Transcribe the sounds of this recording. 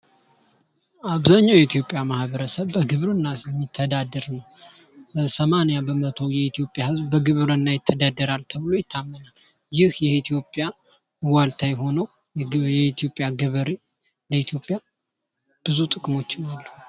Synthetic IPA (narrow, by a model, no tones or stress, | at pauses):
ʔaβzaɲːawjɛit̪ʰjo̞pʼjamahbəɾəsəβbəɡɨβɾɨnːajɛmːit̪ʰːəd̪ad̪ɨɾnəw | bəsəmanijabəmət̪ʰo̞jɛit̪ʰijo̞pʼjahɨzbbəɡɨβɨɾɨnːajɪt̪ʰːəd̪ad̪ːəɾalt̪ʰəβɨlojɪt̪ʰːamːənal | jɪhjɛit̪ʰijo̞pʼːja | walt̪ʰajɦo̞nəw | jɛit̪ʰijo̞pʼːjaɡɨβəɾe | ləit̪ʰijo̞pʼja | b̥ɨzut̪ʼɨkʼmo̞t͡ʃːɪnalːəhu